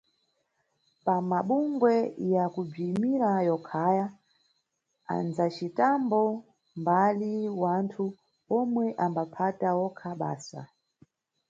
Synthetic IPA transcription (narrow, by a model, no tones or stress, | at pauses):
pamaɓuŋɡwɛjakub͡ʐimiɾajɔkʰaja | a̰nzat͡ʃitambɔ | mbaliwantʰu | ɔmwɛʔambapʰatawɔkʰaɓa̰ːsa̰